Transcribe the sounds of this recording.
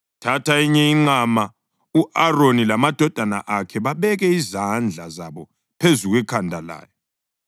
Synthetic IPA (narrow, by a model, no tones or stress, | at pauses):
tʰatʰaiɲɛiŋ͡ǀama | uʔaronilamad̥ʱɔd̥ʱana̰ʔakʰɛβaβɛɣɛizand͡ɮʱazaβɔ | pʰezuɣwɛkʰandʱala̰ːjɔ